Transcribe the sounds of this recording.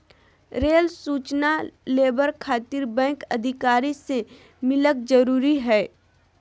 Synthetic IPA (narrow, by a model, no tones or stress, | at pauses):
ɾeːlsuːt͡ʃnaleːbəɾkʰaːt̪ɪɾbɛ̃ːŋkɐd̪ʱɪkaːɾise | mɪlək̚d͡ʒəɾuːɾiɦɛː